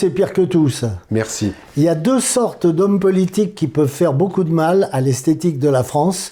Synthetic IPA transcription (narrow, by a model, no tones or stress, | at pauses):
sɛpiʁkət̪usmɛʁsi | iljad̪øsɔʁt̪d̪ɔmpɔlit̪ikːipœvfɛʁbokud̪əmalalɛst̪et̪ik̚d̪əlafχɑ̃s